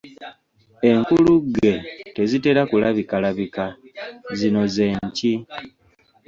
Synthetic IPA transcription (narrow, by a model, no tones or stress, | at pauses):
e̞ŋkuluɡːe̞te̞zite̞ɾakulaβikalaβikazino̞ze̞ːɲci